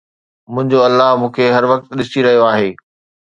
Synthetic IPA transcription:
mʊ̃ɦɪ̃ɲd͡ʑoɐlːaɦmũːkʰeɦɐɾʋɐk̚t̪ɗɪsiɾɐɦijoaːɦeː

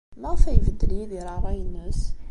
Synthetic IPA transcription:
mæfæjvəd̪ːəliðiɾɑrˤːɑjənːəs

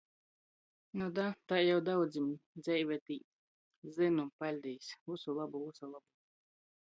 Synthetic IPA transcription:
nɔd̪at̪ajawd̪awd̪zimd̪zʲɛjvʲɛt̪iː | zinupalʲd̪ijsvusulˠabuusalˠabu

